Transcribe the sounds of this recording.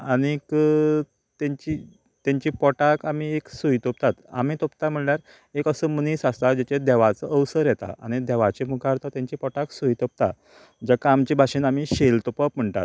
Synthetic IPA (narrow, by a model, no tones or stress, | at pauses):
añikə | t̪aɲt͡ɕiː | t̪jaɲt͡ɕiːpɔʈakam̤ieksuit̪op̚t̪at̪a̰m̤iːt̪opt̪am̤əɳljaɾ | ekəsəməniːsast̪ad͡ʑet͡ɕed̪ɛʋat͡səʔəwsəɾjɛt̪a̰a̰ñid̪ɛʋat͡ɕemukʰaɾt̪at̪jãɲt͡ɕiːpɔʈaksuit̪op̚t̪a̰ | d͡ʑakaːmt͡ɕiːbʱaɕiːnamiːɕelt̪opəpm̤əɳt̪a̰t̪̚